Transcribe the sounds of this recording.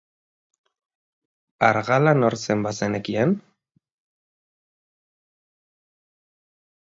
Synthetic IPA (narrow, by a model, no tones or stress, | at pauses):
aɾɣalanoɾsembasenekien